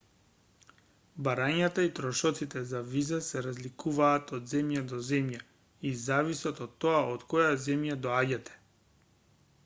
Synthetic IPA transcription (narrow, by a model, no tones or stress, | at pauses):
baɾaɲat̪ait̪ɾɔʃɔt̪sit̪ɛzavizasɛɾazlikuvaːt̪ɔd̪zɛmjad̪ɔzɛmja | izavisɔt̪ɔt̪ːoaʔot̪kɔjazɛmjad̪ɔaɟat̪ɛ̥